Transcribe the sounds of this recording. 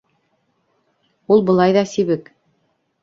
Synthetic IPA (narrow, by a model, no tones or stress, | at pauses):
ulˠbɤ̆lˠɑjðɑsiβɘk